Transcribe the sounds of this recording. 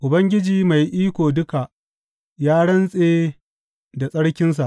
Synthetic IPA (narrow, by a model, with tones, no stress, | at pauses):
ʔʊ˨bɐ˦ŋɡʲɪ˦d͡ʒiː˨ma˨jʔiː˦kʷoː˨dʊ˦ka˨ | jaː˦ɽɐ˦nsʼeː˦ | da˨sʼɐ˦ɽkʲɪ˦ns̬a˨ʔ